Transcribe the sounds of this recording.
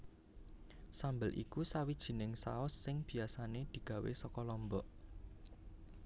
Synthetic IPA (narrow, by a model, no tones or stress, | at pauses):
sambəlʔḭkusawid̥ʒ̥i̤nɪŋsa̰ɔsːɪŋb̥i̤asaned̪̥i̤ɡ̥ä̤wḛsɔkɔlɔmbɔʔ